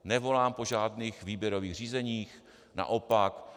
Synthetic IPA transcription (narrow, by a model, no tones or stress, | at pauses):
nɛvo̞laːmpo̞ʒaːdniːxviːbjɛɾoviːɣr̝iːzɛɲiːx | na̰ʔopak